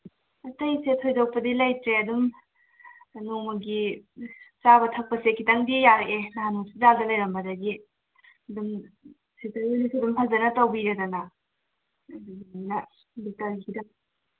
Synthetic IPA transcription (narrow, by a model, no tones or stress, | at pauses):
ɐtɐjsetʰːojdok̚pɐdilɐjtɾeɐdum | noŋmɐɡi | t͡ʃabɐtʰɐk̚pɐsekʰːitɐŋdijaɾeʔenaɦanuŋsizaldɐlɐjɾɐmbɐdɐɡi | dum | sitɐɾojnisiɐdumhʰɐzɐnɐtɐwbiɾedɐnɐ | duɡinimnɐ | dok̚taɾɡikʰidɐ